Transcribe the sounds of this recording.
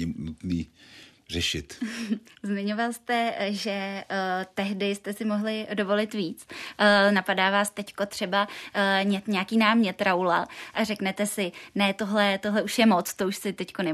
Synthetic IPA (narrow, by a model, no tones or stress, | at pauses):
ɪnut̪niː | rɛʃɪt̪ | zmɪɲo̞valst̪ɛʒɛ | t̪ɛɦdɪst̪ɛsɪmo̞ɦlɪdo̞vo̞lɪt̪viːt͡sːnapadaːvaːst̪ɛcko̞t̪r̝̥ɛbaɲɛt̪ɲɛakiːnaːmɲɛt̪ɾawlaʔarɛknɛt̪ɛsɪnɛt̪o̞ɦlɛt̪o̞ɦlɛuʃjɛmo̞t͡st̪o̞uʃsɪt̪ɛcko̞nɛ